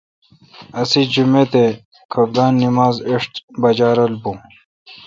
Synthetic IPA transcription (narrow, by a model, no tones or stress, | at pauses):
ɐsid͡ʑumet̪e | kʰɐb̚d̪aːnːimaːzeʂʈ̪bɐd͡ʑaːɾɐlbũ